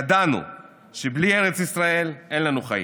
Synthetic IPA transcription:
ad̪anṵ | ʃeblie̞ʁet͡sisʁae̞lʔe̞nlanuχa̰jḭ

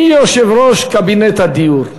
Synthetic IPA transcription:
ioʃevɾɔʃkabinet̪ad̪iuɾ

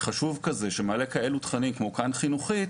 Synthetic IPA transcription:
χaʃuvkaze̞ʃemale̞kae̞lut̪χanimkmo̞kanχinuχi

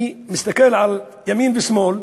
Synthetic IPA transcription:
mɪst̪akɪlʕal | jamiːnbismoːl

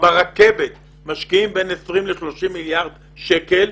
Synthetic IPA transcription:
baʁake̞vet̪ | maʃkiimbe̞nesʁimleʃlo̞ʃimːiljaʁd̪ | ʃekel

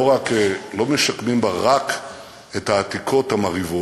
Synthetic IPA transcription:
oʁakelo̞meʃakmimbaʁak | ethaːtikʰo̞thamaʁivo

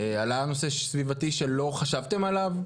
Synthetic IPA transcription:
ealano̞seʃsvivat̪iʃe̞lo̞χaʃavt̪e̞malav

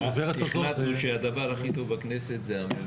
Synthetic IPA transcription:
aveʁetaomatnuʃead̪avaʁaχit̪ovbakneset̪zeame

